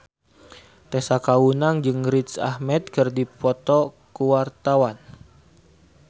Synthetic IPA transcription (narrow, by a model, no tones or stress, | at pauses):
t̪ɛsakawunaŋd͡ʒɨŋɾit̪sa̰hmɛt̪̚kərdipɔt̪ɔ | kuwart̪awan